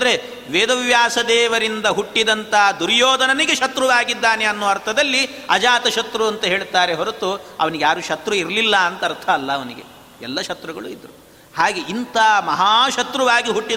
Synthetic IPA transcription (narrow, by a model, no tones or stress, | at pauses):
ɐnd̪ɐɾe | ʋeːd̪ɐʋjaːsɐd̪ɛːʋɐɾind̪ɐɦuʈːid̪ɐnt̪ɐd̪uɾjoːd̪ɐnɐniɡeʃɐt̪ɾuʋaːɡid̪ːaːneɐnːuːɐɾt̪ʰɐd̪ɐlːi | ɐd͡ʒaːt̪ɐʃɐt̪ɾuɐnt̪ɐɦe̞ːɭt̪aːɾe̞ɦoɾut̪uɐ̰ʋɐniɡejaːɾuʃɐt̪ɾuiɾlilːɐːnt̪ɐːɾt̪ʰɐːlːɐːʋɐniɡḛ | ɛ̰lːɐʃɐt̪ɾuɡɐɭṵid̪ɾu | haːɡeʔint̪ɐmɐɦaːʃɐt̪ɾuʋaːɡiɦuʈːi